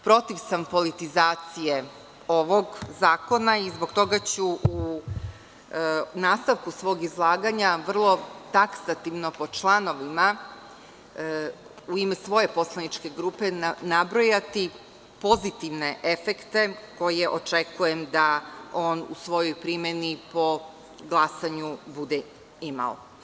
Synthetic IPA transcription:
pɾo̞t̪iʋsampo̞lit̪izaːt̪sije | o̞ʋo̞ɡzaːko̞naizbo̞ɡt̪o̞ɡat͡ɕuu | naːst̪aʋkusʋo̞ːɡizlˠaːɡaɲaʋr̩lˠo̞t̪aksat̪iʋno̞po̞t͡ʃlˠano̞ʋima | uimɛsʋo̞je̞po̞slˠanit͡ʃke̞ɡɾuːpe̞nabɾojat̪i | po̞zit̪iʋne̞ʔe̞fekt̪e̞ko̞jeʔo̞t͡ʃe̞kujemd̪ao̞ːnṵsʋo̞jojpɾimenipo̞ | ɡlˠasaɲubud̪e | ima̰o̰

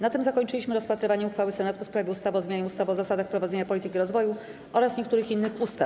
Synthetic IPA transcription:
nat̪ɘmzakɔɲt͡ʂɘiɕmɘɾɔspat̪ɾɘvaɲɛuxfawɘsɛnat̪ufspɾavʲjɛust̪avɔzmʲjaɲɛust̪avɔzasad̪axpɾɔvad̪zeɲapɔlʲit̪ɘkʲiɾɔzvɔju | ʔɔɾasɲɛkt̪uɾɘxinːɘxust̪a

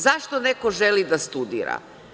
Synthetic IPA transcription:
zaʃt̪onekoʒelid̪ast̪ud̪ḭːɾa̰

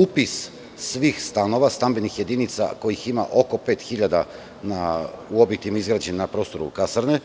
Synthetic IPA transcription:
upis | sʋiːxst̪ano̞ʋast̪ambenixje̞d̪init̪sa̰ko̞jixima̰ʔo̞ko̞pe̞ːt̪xiʎad̪a | nauobit̪imaizɡɾad͡ʑennapɾo̞st̪o̞ɾṵkasɾne

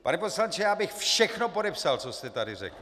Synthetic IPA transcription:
panɛposlaɲt͡ʃɛjaːbɪxfʃɛxnopo̞dɛpsalt͡sost̪ɛt̪adɪrɛ̰kl

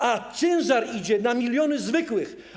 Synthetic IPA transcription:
at̪sɛnzaɾid͡ʑɛnamʲilʲjɔnɘzvɘkwɘx

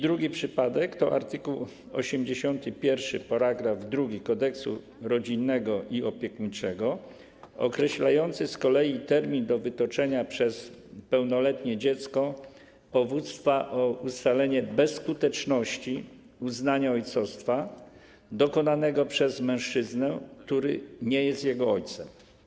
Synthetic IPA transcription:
d̪ɾuɡʲipʂɘpad̪ɛkt̪ɔʔa̰ɾt̪ɘkuw | ɔɕɛmd͡ʑeɕɔnt̪ɘpʲjɛɾfʂɘ̰paɾaɡɾavd̪ɾuɡʲikɔd̪ɛksṵ | ɾɔd͡ʑinːɛɡɔʔiɔpʲjɛkɲit͡ʂɛɡɔ | ɔ̰kɾɛɕlajɔnt̪sɘskɔlɛjit̪ɛɾmʲind̪ɔvɘt̪ɔt͡ʂɛɲapʂɛspɛwnɔlɛt̪ɲɛd͡ʑɛt̪skɔ | pɔvut̪st̪faʔɔust̪alɛɲɛbɛsːkut̪ɛt͡ʂnɔɕt͡ɕi | uznaɲaɔjt̪sɔst̪fa | d̪ɔkɔnanɛɡɔpʂɛzmɛ̃w̃ʂt͡ʂɘznɛkt̪uɾɘɲɛjɛst̪ʲjɛɡɔɔjt̪sɛm

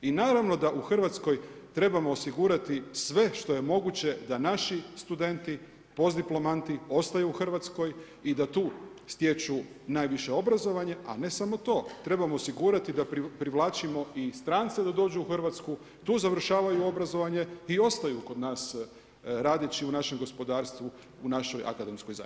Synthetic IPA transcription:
inaːɾaʋno̞d̪aʔuxr̩ʋat̪sko̞jt̪ɾe̞bamo̞ːsiɡuːɾat̪isʋe̞ʃt̪o̞je̞mo̞ɡut͡ɕe̞d̪anaʃist̪ud̪e̞nt̪i | po̞zd̪iplˠo̞mant̪io̞st̪ajuːxr̩ʋat̪sko̞j | id̪at̪uː | st̪je̞t͡ʃu | naːjʋiʃe̞o̞bɾazo̞ʋaɲe̞a̰ne̞samo̞t̪o̞ːt̪ɾe̞bamoːsiɡuːɾat̪id̪appɾiʋlˠaːt͡ʃimo̞ist̪ɾant̪sed̪ad̪o̞ːd͡ʑuuxr̩ʋat̪sku | t̪uːzaʋr̩ʃaːʋajuo̞bɾazo̞ʋaɲe̞io̞st̪ajuko̞d̪naːs | ɾaːd̪et͡ɕiunaʃe̞mɡo̞spo̞d̪aːɾst̪ʋu | unaʃo̞jʔa̰kad̪e̞mskojza̰j

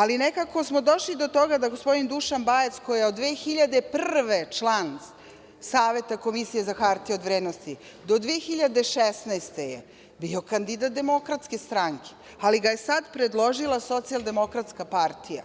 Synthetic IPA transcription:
alinekako̞smo̞d̪o̞ʃlid̪o̞t̪o̞ɡad̪aɡospo̞d̪ind̪uʃanbajet̪skojjeod̪d̪ːʋeːxiʎad̪e̞pr̩ʋet͡ʂlˠan | saːʋe̞t̪ako̞misije̞zaxaɾt̪iod̪ʋɾeːd̪nost̪i | d̪od̪ʋeːxiʎad̪e̞ʃesnajst̪eje | bio̞kand̪id̪at̪̚d̪e̞mo̞kɾat̪ske̞st̪ɾaŋkʰe̥ | aliɡajesad̪pɾed̪lˠo̞ʒilaso̞t̪sialˠd̪e̞mo̞kɾat̪skapaɾt̪ʰija̰

